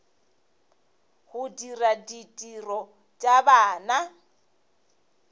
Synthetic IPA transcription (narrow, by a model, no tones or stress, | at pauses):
hʊdiraditʼirɔ | t͡ʃʼabaːna